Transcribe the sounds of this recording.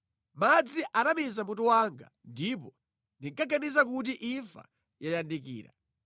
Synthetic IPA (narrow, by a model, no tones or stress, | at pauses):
mad͡ziʔanamizamutuwaŋɡa̰ndipɔ | ndiŋkaɡanizak̬utiʔiɱfa̰ | jajandikḭːɾa̰